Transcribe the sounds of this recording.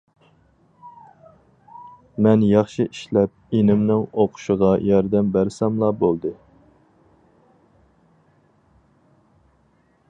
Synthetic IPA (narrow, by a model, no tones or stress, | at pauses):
mɛnjɑχʃiʔiʃlɛp̚enɪmnɪŋoqʰʊ̥ʃəʁɑjɑɾd̪ɛmbæɾsɛmlˠɑbolˠd̪ɨ